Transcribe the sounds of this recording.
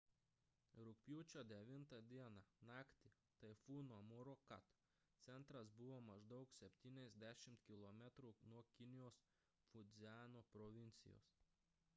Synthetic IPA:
ɾʊkʲpʲjuːt͡ʃʲoːd̪ʲɛʋʲɪnt̪ɑd̪ʲiɛnɑnɑːkt̪ʲɪ | t̪ɐɪfuːnomuːɾokɐ̰t̪ | t̪sʲɛnt̪ɾɐsbʊʋoːmɐʒd̪ɐʊksʲɛpʲt̪ʲiːnʲɛzʲd̪ʲæʃʲɪmt̪kʲɪlˠɔmʲɛt̪ɾuːnuɔkʲɪnʲɪjoːs | fʊd̪zʲɪæːnoːpɾɔʋʲɪnʲt̪sʲɪ̰jo̰ːs

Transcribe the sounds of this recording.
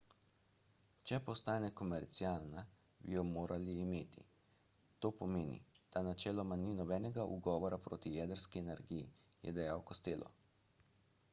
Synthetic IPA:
t͡ʃɛpɔst̪aːnɛkɔmɛɾt̪siaːlna | bijɔmoːɾʔaliːmeːt̪ḭ | t̪oːpɔmeːnḭd̪̥anat͡ʃɛːlɔmaninɔbɛːnɛɡaʔṵɡɔːʋɔɾapɾoːt̪ijɛd̪əɾskiɛnɛɾɡijḭjɛ̰d̪ɛjawkɔst̪eːlʔɔ̰

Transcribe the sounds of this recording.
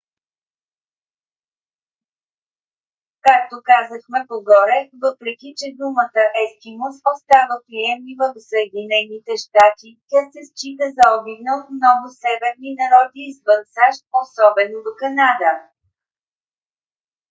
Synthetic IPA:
kak̚t̪okazəxmɛpoɡɔɾɛvɤpɾɛkʲit͡ʃɛd̪umət̪əʔɛsk̪imosost̪avəpɾiɛmlʲivəvosəɛd̪inɛnit̪ɛʃt̪at̪ik̪ʲasɛst͡ʃit̪əzɐɔbiɡnəlˠmnɔɡʊsɛvɛɾninɐɾɔd̪iːzvɤnsaʃt̪̚osɔbɛnod̪okɐnad̪ə

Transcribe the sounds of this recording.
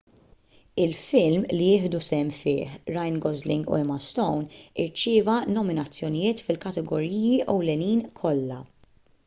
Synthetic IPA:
ɪlfɪlmlijɪːħd̪usɛmːfɪːħɾɐjnɡɔzlɪŋɡṵɛmɐst̪ɔwnɪɾt͡ʃɪːvɐnɔmɪnɐt͡sːjɔnɪjɪːt̪fɪlkɐt̪ɛɡɔɾiːjiʔɛwlɛniːnkʰɔlːɐ̰

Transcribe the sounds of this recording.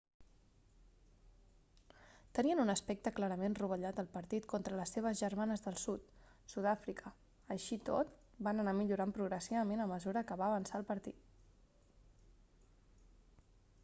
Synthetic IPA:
t̪əniənunəspɛk̚t̪əklaɾəmenruβ̞əʎat̪əlˠpəɾt̪it̪kɔnt̪ɾələseβ̞əzʒəɾmanəzðəlˠsut̪ | sud̪afɾikʰə | əʃit̪o̰t̪ | banənamiʎuɾampɾuɣɾəsiβəmenəməzuɾəkəβaːβənsaːlˠpəɾt̪it̪̚

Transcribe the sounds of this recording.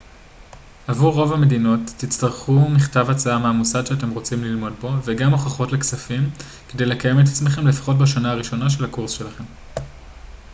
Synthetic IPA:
avuʁːo̞vame̞dino̞tːit͡staʁχumiχtavat͡saameamusad̪ʃeate̞mʁo̞t͡simlilmo̞d̚bo̞ve̞ɡamo̞χaχo̞tle̞ksafim | kede̞jle̞kaje̞met̪̬at͡sme̞χe̞mlefḁχo̞t̬baʃanaaʁiʃo̞naʃ̬e̞lakuʁsʃelaχe̞m

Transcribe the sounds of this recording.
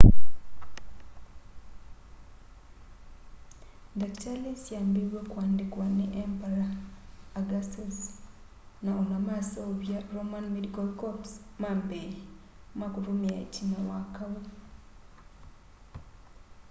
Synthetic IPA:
daktalesjaːmbeɾwekwaːndikwaneʔempaɾaː | ɡasos | naonamasoβjaɾomanmedikalkopsmambeɾe | makuɾumiaḛcinawakawo

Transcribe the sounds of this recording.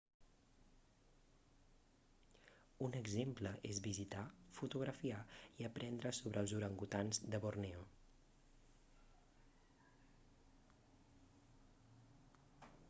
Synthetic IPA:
unəɡzempləʔezβizit̪afut̪uɣɾəfiaiəpɾɛnd̪ɾəsoβɾəːlˠzuɾəŋɡut̪anzd̪əβorneo

